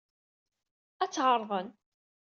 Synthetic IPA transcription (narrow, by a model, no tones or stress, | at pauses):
æt͡sːʁəɾˤðˤən